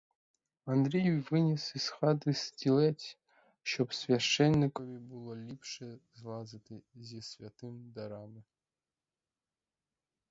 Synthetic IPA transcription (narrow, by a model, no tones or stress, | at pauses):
and̪ɾʲejujvɨnʲisisxɑd̪ɨstʲilʲetʲ | ɕopsvʲaʂenʲːikovʲibɨlˠolʲipʂezlˠɑzɨt̪ɨzʲesʲvʲat̪ɨmd̪aɾɑmʲɨ